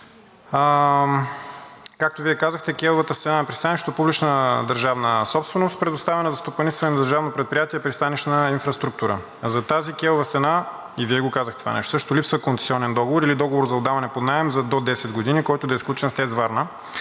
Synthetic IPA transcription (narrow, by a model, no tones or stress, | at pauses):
kak̚t̪oviɛkazəxt̪ɛkʲɛlˠovət̪əst̪ɛnanɐpɾist̪aniʃt̪opublit͡ʃnəd̪əɾʒavnəsɔpst̪vɛnost̪pɾɛd̪ʊst̪avɛnəzɐst̪opɐnist̪vɐnɛnɐd̪əɾʒavnopɾɛt̪̚pɾijat̪iɛpɾist̪aniʃnəinfɾɐst̪ɾuk̚t̪uɾə̰ | zɐt̪azikʲɛlˠovəst̪ɛna | iviɛɡokazəxt̪ɛt̪va̰nɛ̰ʃt̪osəʃt̪olipsvəkont̪ɛ̥siɔnɛnd̪ɔɡovoɾilid̪ɔɡovoɾzɐod̪avɐnɛpod̪naɛmzɐd̪od̪ɛsɛd̪ɡod̪inikɔjt̪ʊd̪ɐisklʲut͡ʃɛnst̪ɛzvaɾnə